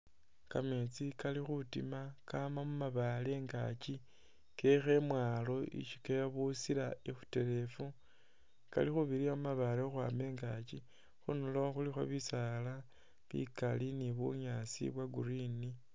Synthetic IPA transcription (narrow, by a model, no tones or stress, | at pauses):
kamet͡sikalixutḭmakamamumaβale̞ːŋɡa̰t͡ʃi | kexe̞mwaːlo̞ḭʃikejoβusilaexu̥te̞ɾe̞fu | ka̰lixuβiɾiamumaβalexwameːŋɡat͡ʃi | xunuloxulixwo̰βisala | βḭkaliniβṵɲasḭβwaɡuɾini